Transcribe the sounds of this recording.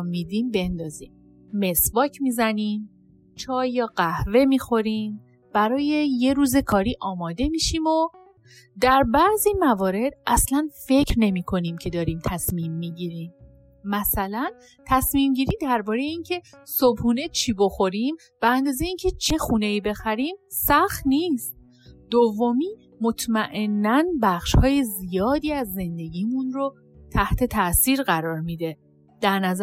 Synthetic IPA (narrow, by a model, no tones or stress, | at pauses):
mːiːd̪imbe̞nd̪ɒːziːmː | e̞svɒːcʰmiːzænim | t͡ʃʰɒːjɒɢæhve̞miːxo̞ɾiːm | b̥æɾɒːje̞je̞ɾuːze̞kʰɒːɾiːʔɒːmɒːd̪e̞miːʃiːmo | d̪æɾbæzimævɒːɾe̞d̪̚ʔæslænfe̞cʰɾne̞mikʰo̞nimcʰe̞d̪ɒːɾiːmt̪ʰæsmiːmːiɟiːɾiːm | mæsælæn | t̪ʰæsmiːmɟiːɾiːmd̪æɾbɒːɾejeiːncʰe̞sobhuːne̞t͡ʃʰiːbo̞xo̞ɾim | bæænd̪ɒːzejeiːncʰe̞t͡ʃʰe̞xuːne̞iːbe̞xæɾiːmsæxt̪niːst̪̚ | d̪̥ovːomiː | mot̪ʰmæʔe̞nːænbæxʃhɒːjezijɒːd̪iːæzːe̞nd̪e̞ɟiːmunɾo | t̪ʰæht̪ʰe̞t̪ʰæʔsiːɾɣæɾɒːɾmiːd̪e̞ | d̪̥æɾnæz